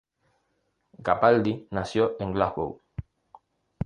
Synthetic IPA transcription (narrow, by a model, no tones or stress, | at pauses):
ɡapald̪inasjoʔeŋɡlahɣo̰w